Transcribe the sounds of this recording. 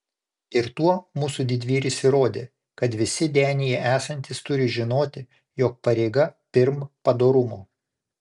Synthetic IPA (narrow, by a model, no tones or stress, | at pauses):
ɪɾt̪uɔmuːsud̪ʲɪd̪ʲʋʲiːɾʲɪsʲɪɾoːd̪ʲeː | kɐt̪ʋʲɪsʲɪd̪ʲæːnʲijɛʔæːsɐnʲt̪ʲɪst̪ʊɾʲɪʒʲɪnoːt̪ʲɪ | joːk̚pɐɾʲɛɪɡɐpʲɪɾmpɐd̪oːɾʊmoː